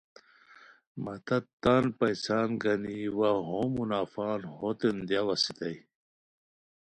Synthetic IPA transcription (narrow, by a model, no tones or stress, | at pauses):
mɐt̪ɐt̪ːaːnpɐjsaːnɡɐniwaɦoːmunaːfaːnhot̪end̪jawɐsit̪ɐj